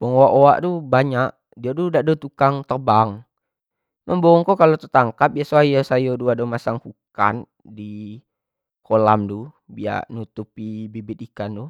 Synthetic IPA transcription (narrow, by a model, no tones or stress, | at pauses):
bɔŋoaʔowaʔdubaɲaʔ | diadudaʔdɔt̪ukaŋt̪ərbaŋ | mʔəmboɔŋkɔkalot̪ət̪aŋkap̚iasoajasajoduadɔmasaŋkuka̰n | di | kʰola̰mdu | bia̰ʔnut̪upibibit̪̚ikandu